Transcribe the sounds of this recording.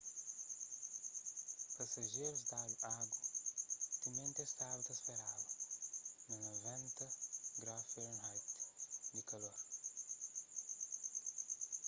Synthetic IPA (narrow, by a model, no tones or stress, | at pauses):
pɐsɐʒeɾusd̪ad̪uʔaɡu | t̪imẽnt̪est̪abut̪ɐsfeɾawɐ | nɐnovɛ̃nt̪ɐɡɾaffeɾnhajt̪d̪ikɐloɾ